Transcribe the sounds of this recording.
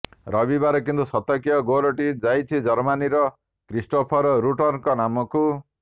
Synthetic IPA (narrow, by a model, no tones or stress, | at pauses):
ɾʌbibaɾɔkind̪usʌt̪ʌkijʌɡoɾoʈid͡zajt͡sʰid͡zʌɾmaniɾʌ | kɾisʈopʰɔɾɾuʈɔrnkɔnamɔku